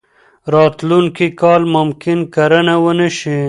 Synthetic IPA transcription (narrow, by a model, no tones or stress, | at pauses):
ɾɑːt̪lunkikɑːlmʊmkɪnkaɾənawənəʃi